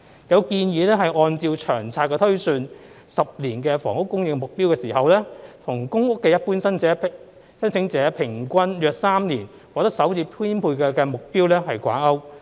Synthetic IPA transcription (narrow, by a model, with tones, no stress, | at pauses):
jɐ˨˧wkiː˧njiː˨˧lɛː˥ɦɐ˨jʔɔː˧nt͡siː˧wt͡ʃʰœː˨˩ŋt͡sʰaː˧t̚kːɛː˧t̪ʰɵ˥ɥsyː˧n | sɐ˨p̚liː˨˩nkɛː˧fɔ̰ː˨˩ŋʊ˥kːʊ˥ŋjɪ˨k̚mʊ˨k̚piː˥wkɛː˧siː˨˩ɦɐ˨wlɛː˥t̪ʰʊ˨˩ŋkʊ˥ŋʊ˥kːɛː˧jɐ˥t̚puː˥nsɐ˥nɛ˨˥ | sɐ˥nsʰɪ˨˥ŋt͡sɛː˨˥pʰɪ˨˩ŋkʷɐ˥njœː˨k̚saː˥mniː˨˩n | kɔː˨˧k̚t̪ɐ˥k̚sɐ˨˥wt͡siː˧pʰiː˥npʰuː˧jkɛː˧kɛː˧mʊ˨k̚piː˥wlɛː˥ɦɐ˨jkʷa̰ː˨˥nɐ˥w